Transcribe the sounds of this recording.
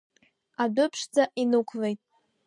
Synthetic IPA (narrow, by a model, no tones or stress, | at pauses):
adʊpʰʂd͡zaʔinɨkʷʰlejtʼ